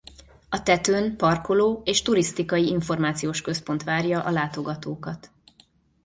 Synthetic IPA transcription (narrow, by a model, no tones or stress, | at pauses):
ɒt̪ɛt̪øːnpɒrko̞loːeːʃt̪uɾist̪ikɒjiiɱfo̞rmaːt̪sijoːʃkø̞spo̞nt̪ʋaːrjɒʔɒlaːt̪o̞ɡɒt̪oːkɒt̪